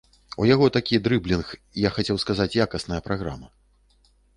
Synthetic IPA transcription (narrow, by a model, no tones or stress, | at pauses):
ṵjaɣɔt̪akʲid̪ɾɨblʲinx | jaxat͡sʲɛwskazat͡sʲjakɐsnɐjɐpɾaɣɾamɐ